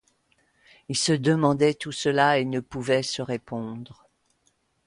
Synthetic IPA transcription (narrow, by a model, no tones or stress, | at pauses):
ilsəd̪əmɑ̃d̪ɛt̪usəlaenəpuvɛsəʁepɔ̃d̪ʁ